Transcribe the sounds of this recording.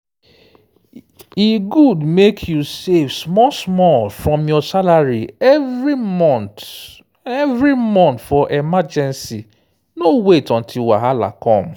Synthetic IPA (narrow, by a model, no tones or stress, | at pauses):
iɡudmekʰjusevsmɔsmɔlfɹɔ̃mjɔsalaɹiɛvɾimɔ̃nt | ɛvɹimɔ̃ntfɔʔɛmad͡ʒɛ̃nsi | nowetɔ̃n̩tʰiwaɦala̰kɔ̃m̩